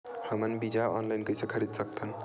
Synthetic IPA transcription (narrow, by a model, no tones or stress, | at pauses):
həmənbid͡ʒaɔnlainkəjsẽkʰəɾid̪sək̚t̪ʰən